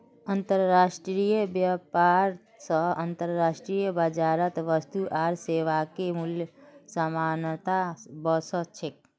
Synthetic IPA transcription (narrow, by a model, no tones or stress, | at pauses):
ənt̪əɾːaːʃʈɾijəbjəpaːɾ | səɐnt̪əɾːaːʃʈɾijəbəd͡ʒaːɾət̪ʋəst̪uʔaːɾseːʋakemʊljsəmaːnt̪abəsət͡ʃʰɪk̚